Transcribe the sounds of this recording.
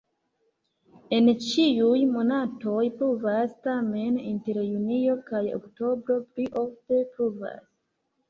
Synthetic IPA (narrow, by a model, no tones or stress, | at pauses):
e̞nt͡ʃiujmo̞nato̞jpɾuvastame̞ninte̞ɾjunio̞kajo̰kto̞bɾo̞pliʔo̞fte̞pɾuva̰s